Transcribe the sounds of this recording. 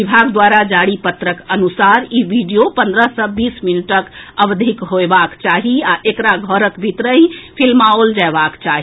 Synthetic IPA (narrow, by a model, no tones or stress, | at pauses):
ibʱaɡd̪waɾad͡ʒaɽipət̪ɾəkənusaɾibiɖijopənd̪ɾəɦsə̃bisminəʈəkəbd̪ʱikɦoebakt͡ʃaɦiaʔekɾaɡʱəɾəkbʱit̪ɾəɦĩpʰilmaold͡ʒaebakt͡ʃaɦi